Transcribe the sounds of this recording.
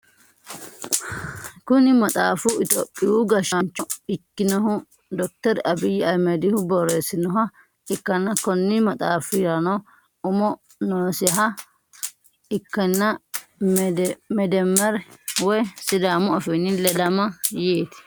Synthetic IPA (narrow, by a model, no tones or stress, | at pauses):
kʊnɪmɐt̪ʼaːfʊɪt̪o̰ːpʼːɪhʊɡɐʃɐnt͡ʃːɔɪkːɪnɔɦʊ | d̪ɔk̚t̪ɛɾʔɐbɪjːɪɐjmɛd̪ɪhʊbɔɾeːsɪnɔɦɐ | ɪkːɐnːɐkɔnːɪmɐt̪ʼaːfɪɾɐnɔ | ʊmɔ | noːsɪɦɐ | ɪkːɐnːɐmdmɛd̪ɛmːɐɾwɔjsɪd̪aːmɔɐfɪnɪlɛd̪ɐmɐjeːt̪ɪ̥